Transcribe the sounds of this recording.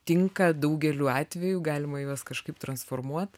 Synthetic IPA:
t̪ʲɪŋkɐd̪ɐʊɡʲɛlʲuɑːt̪ʲʋʲɛjuːɡɑːlʲɪmɐjoːskɐʃkɐɪpt̪ɾɐnsfoːrmuɔt̪

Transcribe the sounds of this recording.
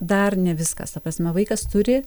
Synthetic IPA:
d̪ɐrnʲɛʋʲɪskɐ̰st̪ɐprɐsʲmʲɛʋɐɪkɐst̪ʊɾʲɪ

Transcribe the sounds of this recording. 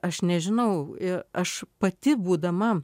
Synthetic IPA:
ɐʃnʲɛʒʲɪnɐʊɪɐʃpɐt̪ʲɪbuːd̪ɐmɐ

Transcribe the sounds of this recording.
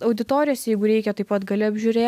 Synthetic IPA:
ɐʊd̪ʲɪt̪oːɾʲɪjoːsʲjɛɪɡʊɾʲɛɪkʲɛt̪ɐɪpɐt̪ɡɐlʲɪɐbʲʒʲʊɾʲeː

